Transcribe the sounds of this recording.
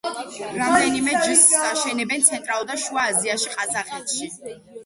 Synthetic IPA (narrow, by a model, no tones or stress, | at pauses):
ɾamd̪ɛnimɛd͡ʒisaʃɛnɛbɛnt̪sʰɛnt̪ʼɾalˠud̪aʃuaːziaʃiqʼazaχɛt̪ʃi